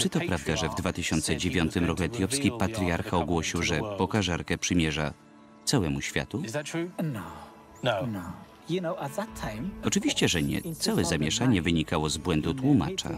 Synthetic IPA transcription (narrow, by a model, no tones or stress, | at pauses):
t͡ʂɨt̪ɔpɾavd̪aʐɛvd̪vat̪ɘɕɔnt̪sɛd͡ʑevʲjɔnt̪ɘmɾɔkuɛt̪ʲjɔpskʲipat̪ɾʲiaɾxaɔɡwɔɕiwʐɛpɔkaʐaɾkɛpʂɘmʲjɛʐa̰ | t̪sawɛmuɕfʲja̰t̪uɪzðɨtʰɹ̥uːnoʊ | noʊnoʊ | junoʊʔət̪̚ðətʰãɪ̃mɔt͡ʂɘvʲiɕt͡ɕɛʐɛɲɛ̰t̪sawɛzamʲjɛʂaɲɛvɘɲikawɔzbwɛnd̪ut̪wuma̰t͡ʂa̰